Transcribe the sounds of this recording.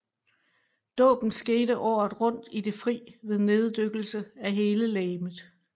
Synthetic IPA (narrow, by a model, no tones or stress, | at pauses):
d̥ɔ̰̽ːb̥n̩sɡ̥e̝ːɾəʔɒ̰ːð̩ˠʁɔ̽n̰d̥id̥e̝fʁḭːʋe̝ð̞ˠne̝ð̞ˠd̥øɡ̥l̩səæɦe̝ːləlɛːmð̩ˠ